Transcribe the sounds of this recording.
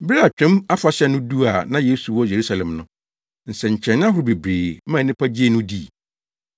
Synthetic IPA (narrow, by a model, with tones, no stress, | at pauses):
bɾa˨t͡ɕᶣɪ̃˦ma˦fa˨ɕɛ˦nʊ̃˦du˦a˨nã˦je˦su˨wɔ˦je˨ɾu˦sa˨lɛ̃˨mnʊ̃˦ | n̩˨sɛ˨ɲ̩˨t͡ɕʰɛ̃˨ñ˦a˦ɦʊ˨ɾbe˨bɾeː˨˦mã˦˨nɪ̃˦pʰa˦d͡ʑi˦e˦nʊ̃˦di˦˨